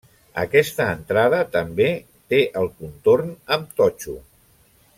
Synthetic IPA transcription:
ə̰kɛst̪əːnt̪ɾaðət̪əmbe | t̪eʔəlˠkunt̪oɾnəmt̪ɔt͡ʃu

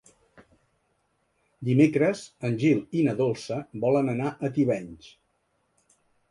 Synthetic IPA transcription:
d̪imekɾəzənʲʒilˠinəðolˠsəbɔlənənaʔət̪iβɛɲʲt͡ʃ

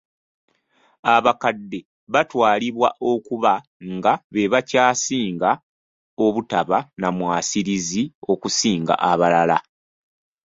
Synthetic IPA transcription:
aβakadːe̞ | βatwaːliβwa̰ʔo̞kuβa | ŋɡaβe̞βacaːsiːŋɡa | o̞βutaβanamwaːsiɾizio̞kusiːŋɡa̰ʔaβalala̰

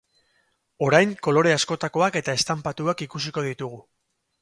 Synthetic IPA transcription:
o̞ɾajŋko̞lo̞ɾe̞asko̞t̪ako̞ake̞t̪ae̞st̪ampat̪uakikusiko̞ðit̪uɣ̞u

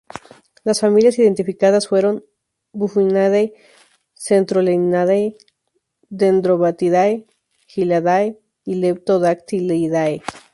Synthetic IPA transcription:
lasfamiljasiðe̞nt̪ifikaðasfweɾom | bufinaðej | sent̪ɾolenaðej | d̪end̪ɾoβat̪iðaj | xilaðaj | ilep̚t̪oðakt̪ilejðaj

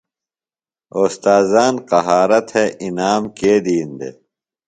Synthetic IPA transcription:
oːst̪aːzaːnqɐɦaːɾɐt̪heʔinaːmkeːd̪iːnd̪ḛ

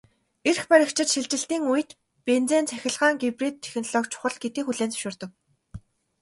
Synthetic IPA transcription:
erxpæɾʲɪ̆kt͡ɕʰɪ̆t̪ʃiɮt͡ɕɪ̆ɬt̪iːŋujɘ̆t̪ | pent͡seːnt͡sʰæxʲɪ̆ɮʁaːŋɡiprit̪ʰːe̥xnɔɮɔkt͡ɕʰʊ̥χə̆ɮɡet̪iːxuɮeːnt͡sɵ̥ʃʊːrt̪ə̆k

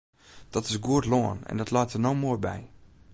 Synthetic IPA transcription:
d̥ɔtɪsɡuətloənɛ̰ndɔtlɔjtərnomoəbɛ̰j

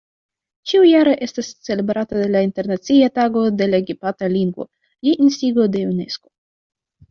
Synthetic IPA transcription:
t͡ʃiujaɾe̞ʔe̞stast͡se̞le̞bɾatade̞lainte̞ɾnat͡siataɡo̞de̞laeɡipataliŋɡvo̞̰ | jiʔinstiɡo̞de̞une̞̰sko̞̥

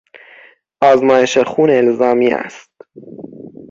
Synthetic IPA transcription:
ʔɒːzmɒːjeʃexuːnelzɒːmiːæ̰st̪

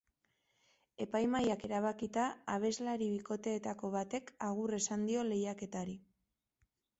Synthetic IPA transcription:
e̞pajmajake̞ɾaβakit̪aaβ̞e̞zlaɾiβiko̞t̪e̞ːt̪ako̞β̞at̪e̞kaɣ̞ure̞sand̪io̞le̞jake̞t̪aɾi

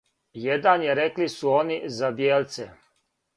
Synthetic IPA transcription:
jed̪anjeɾeklisuonizabjeːlt̪se

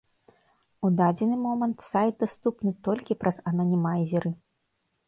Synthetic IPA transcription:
ud̪ad͡zʲɛnɨmɔmɐnt̪sajd̪̚d̪ast̪upnɨt̪ɔlʲkʲipɾɐzɐnɐnʲimazʲiɾɨ

